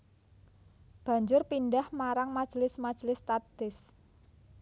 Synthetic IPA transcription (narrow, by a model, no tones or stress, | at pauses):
b̥a̤ɲd͡ʒʊrpindahmaɾaŋmḁʒ̥lɪsmḁʒ̥lɪst̪ad̪ɪs